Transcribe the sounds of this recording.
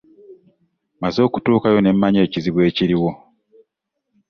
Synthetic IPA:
mazo̞ːku̥tuːkajo̞ne̞mːaɲeːciziβwe̞ːciɾiwo̞

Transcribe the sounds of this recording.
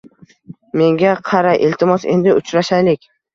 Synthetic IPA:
me̞ŋɡʲaqʰɑɾajʔelt̪ʰɪmɒse̞nd̪ɪʊt͡ʃɾaʃajlɪkʲ

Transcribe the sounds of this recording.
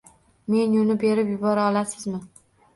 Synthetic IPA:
me̞njʊnɪbe̞ɾɪpjʊbɒɾaɒlasɪzmɪ

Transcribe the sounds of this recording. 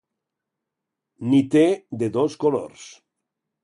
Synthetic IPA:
nit̪ed̪eðoskolo̰ɾs

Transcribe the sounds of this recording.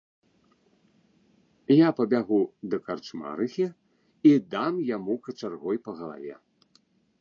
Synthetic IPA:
japɐbʲaɣud̪ɐkart͡ʂma̰ɾɨxʲi | id̪amjamukɐt͡ʂarɣɔjpɐɣɐlˠa̰vʲɛ̰

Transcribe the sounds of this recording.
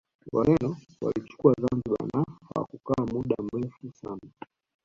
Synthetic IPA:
walɛnɔ | wa̰lit͡ʃu̥kuazanziɓa̰nahawa̰kukaːmuɗam̩ɾɛfusana

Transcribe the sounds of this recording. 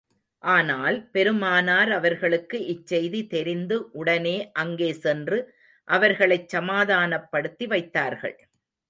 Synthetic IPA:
ʔaːnaːlpɛɾɯmaːnaːɾɐʋɐɾɣɐɭɯkːɯʔɪt͡ʃːɛjðit̪ɛɾɪnd̪ɯʔʊɽɐneːʔɐŋɡeːsɛndrɯ | ʔɐʋɐɾɣɐɭɐɪt͡ʃsɐmaːðaːnɐpːɐɽɯt̪ːiʋɐɪt̪ːaːɾɣɐ̰ɭ

